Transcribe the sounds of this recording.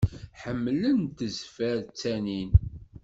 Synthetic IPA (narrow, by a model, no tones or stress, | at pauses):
ħəmːlənt̪əzfæɾt͡sːænin